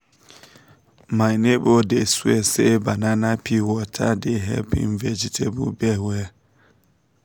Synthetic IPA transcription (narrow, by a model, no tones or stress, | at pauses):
majnebodesuesebananapʰiwɔtʰa̰deɦɛ̰lpḭnvɛd͡ʒitʰebṵbɛwɛ